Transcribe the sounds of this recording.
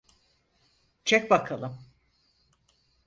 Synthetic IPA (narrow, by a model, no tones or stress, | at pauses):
t͡ʃʰɛc̚bakʰalˠɯm